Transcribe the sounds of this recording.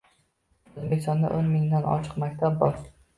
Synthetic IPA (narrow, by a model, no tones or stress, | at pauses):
ɵzbekʲɪ̥st̪ɒnd̪a̰ʔonmɪŋd̪anɒ̰t͡ʃʰɨ̥qmakʲt̪ʰab̚bɒɾ